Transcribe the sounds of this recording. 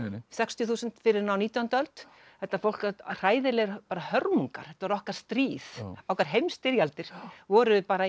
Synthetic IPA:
sɛkst̪jʏθuːsʏnt̪fɪɾɪɾnaːwniːt̪jant̪œlt̪ | θɛht̪ːafowl̥kar̥aːjðɪlɛɣpaːɾahœɾmuŋka̰ɾ̥ɛt̪ːavaɾɔhkḁst̪ɾiːθawkaɾ̥ɦejmst̪ɪɾjalt̪ɪɾ̥vɔɾʏpaːɾa

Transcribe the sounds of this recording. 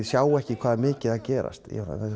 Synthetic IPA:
sjaːwɛhcɪkʰv̥aːðamɪːcɪðaðcɛːɾa̰st̪jɛ̰na̰ɛ

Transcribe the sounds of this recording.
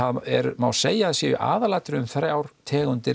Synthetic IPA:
aðɛ̰ɾmawseːjaðsjɛʏ̰ʔa̰ːðalaːt̪ɾɪʏmθɾaːwɾ̥t̪ʰɛːɣʏnt̪ɪɾ

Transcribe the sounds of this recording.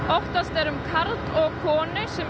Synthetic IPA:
ɔht̪ast̪ɛɾʏmkʰaɾt̪ɔɣkʰɔːnɪsɛm

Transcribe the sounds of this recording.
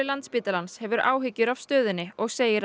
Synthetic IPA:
ɪlant̪spiːt̪alanshɛvʏɾa̰ːwɦɪcːʏɾav̥st̪œːðʏnːɪɔɣseːjɪɾ

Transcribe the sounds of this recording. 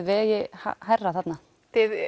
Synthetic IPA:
vɛːjɪha̰harːaθat̪na | t̪ɪð

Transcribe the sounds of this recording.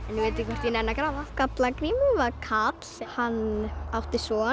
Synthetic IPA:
ɛnjɪveːt̪ɪkʰvɔr̥ɾt̪jinɛnːakɾaːvakat̪lakɾiːmɪvaɾkʰat̪l̥sɛhanːawht̪ɪsɔː

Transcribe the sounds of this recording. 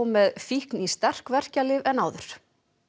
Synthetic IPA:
mɛðfihknist̪ar̥kvɛr̥calɪvɛnaːwðʏɾ̥

